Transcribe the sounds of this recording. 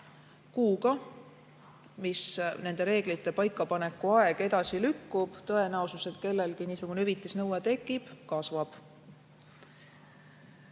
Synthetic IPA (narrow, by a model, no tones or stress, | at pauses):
kuːɡɑ | misne̞nd̪e̞ɾe̞ːɡ̥lit̪ːˑe̞pɑjkˑːɑpɑne̞kːˑuɑe̞ɡ̥e̞d̪ɑsilykːub̥t̪ɤ̞e̞næosuse̞t̪ke̞lːe̞lkiniːsuɡ̥unyvit̪ːˑisnɤwet̪e̞kˑːib̥kɑsvɑb̥